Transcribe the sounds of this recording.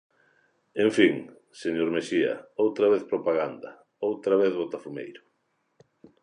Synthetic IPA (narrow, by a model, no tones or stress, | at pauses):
ẽɱfiŋ | seɲoɾmesiɐ̰owt̪ɾaβ̞eθpɾopaɣand̪ɐ | owt̪ɾaβeθβot̪afumḛjɾʊ